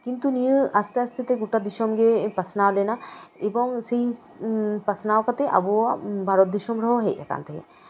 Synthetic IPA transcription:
kint̪unijəast̪east̪ʰet̪eɡuʈad̪iʃɔmɡepɐsnawlenaebɔŋsei | pɐsnawkat̪eʔɐ̰buabʱaɾɔt̪̚d̪iʃɔmɾɔɦoɦeʔɛka̰nt̪ʰeḛ

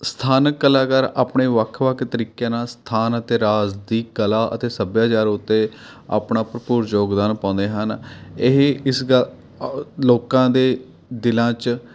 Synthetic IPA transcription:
st̪ʰaːnkːəlaːkəɾaːpɳeːʋəkʰʋəkʰt̪əɾiːkjãːnaːst̪ʰaːnət̪eːɾaːzd̪iːkəlaːʔə̰t̪eːsəbjaːt͡ʃaːɾʊt̪ːeː | a̰ːpɳaːpɾəpuːɾd͡ʒoːɡd̪aːnpãːnd̪eːɦənɪɦɪsɡəl | loːkãːd̪eː | d̪ɪlãːt͡ʃ

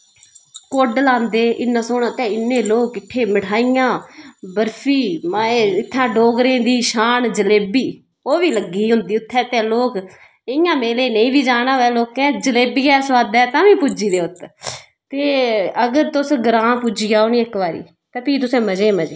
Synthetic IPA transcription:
koɖlãːnd̪eːʔɪnːãːsoːnːt̪ẽːɪnːẽːloːkɪʈʰːeːmɪʈʰaːɪjãːbəɾpʰiːmaeːɪt̪ʰːãːɖoːɡɾẽːd̪iːʃaːnd͡ʒəleːbiː | oːʋiːləɡiːɦʊ̃nd̪iːʊt̪ʰːɛːt̪ɛ̃ːloːk | ɪjãːmeːleːnəĩːʋiːd͡ʒaːnãːʋɛːloːkɛ̃ːd͡ʒəleːbiːɛːsʋaːd̪ɛːt̪ãːʋĩːpuːd͡ʒiːd̪eːʊt̪ | t̪eːəɡəɾt̪ʊsɡɾãːpud͡ʒiːjaːoniːɪkʋaːɾḭː | t̪ãːpiːt̪ʊsẽːməd͡ʒeːməd͡ʒeː

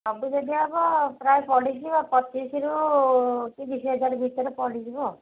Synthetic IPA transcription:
ɔbud͡ʒɔd̪iaːbɔpɾajpɔlis̬ibapɔt͡ʃisiɾu | k̪id̪isiɦʌd͡ʒaɾubʱit̪ɔɾepɔlisibo

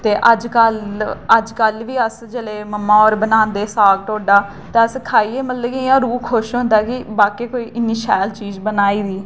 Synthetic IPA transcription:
t̪eːʔəd͡ʒkələd͡ʒkəlʋiːəsd͡ʒəleːməmːãːɔːɾbənãːnd̪eːsaːɡʈoːɖaː | t̪eːəskʰaːiːeːmət̪ləkiɪãːɾuːkʰːʊʃɦʊ̃nd̪aːkɪbaːkeːkoːiːʔɪnːiːʃaːlt͡ʃiːd͡ʒbənaːiːd̪iː

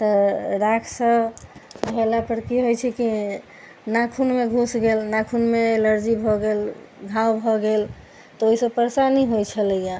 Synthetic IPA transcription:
t̪əɾakʰsə̃ | bʱelapəɾkiɦojt͡ʃʰɛki | nakʰunmeɡʱusɡelnakʰunmeːləɾd͡ʒibʱɔɡel | ɡʱawbʱɔɡel | t̪ɔoɦisəbpəɾsaniɦojt͡ʃʰələja

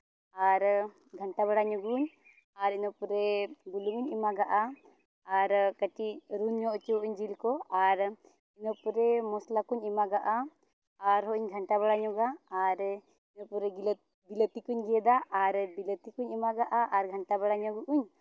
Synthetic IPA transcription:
aɾ | ɡʱɐɳʈaβaɽaɲɔɡuɲ | aɾinɔpuɾebuluŋuɲimaɡaʔaː | ɾkəʈiɾunjɔʔɔt͡ʃeɦɔʔuɲd͡ʒilkɔaɾ | inɔpuɾɛmɔslakuɲimaɡaʔa | aɾɦɔʔiɲɡʱɐɳʈaβaɽaɲɔɡaːɾ | inɔpuɾɛɡil | bilət̪ikuɲɡijɛd̪aʔaɾbilət̪ikuɲimaɡaʔaʔaɾɡʱɐɳʈabaɽaɲɔɡuʔuɲ

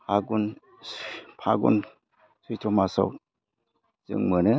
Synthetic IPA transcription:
aɡun | pʰaɡṵn | sujtʰɔmasa̰w | z̥ɯ̰ŋmɯnɯ

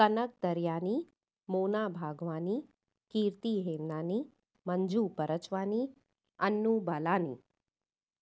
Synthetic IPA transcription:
kənək̚d̪əɾjani | moːnabʱaːɡʋãni | kiːɾt̪iɦend̪ani | məɲd͡ʒupəɾət͡ʃʋani | ənːubalanḭ

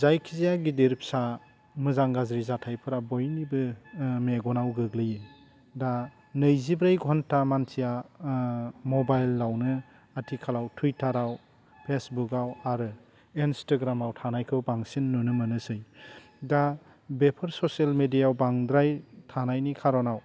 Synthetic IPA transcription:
zajkʰizijaɡidiɾp̚ʰsa | mɯzaŋɡazɾizatʰajpʰɯɾabojnibɯmeɡɔnawɡɯɡlɯje | da | nɯjzibɾajɡɔɦntamantʰija | mɔbajlːawnɯ | atʰikʰalawtʰujtaɾaw | pʰesbukawaɾɯ | instaɡɾamawtʰanajkʰɯwbaŋsinːunɯmɯnɯsɯj | da | bepʰɯɾsɔsalmedijawbaŋdɾajtʰanajnikʰaɾɔnaw

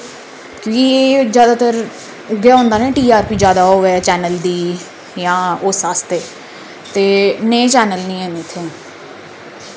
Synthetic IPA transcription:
kjõːkieːd͡ʒjaːd̪aːt̪əɾ | ʊɡjaːɦõːnd̪aːnẽːʈiːaːɾpiːd͡ʒjaːd̪aːɦoːʋɛt͡ʃɛːnəld̪iː | jãːʊsaːst̪eː | t̪eːnẽːt͡ʃɛːnəlnĩːɛ̃ːnet̪ʰẽː

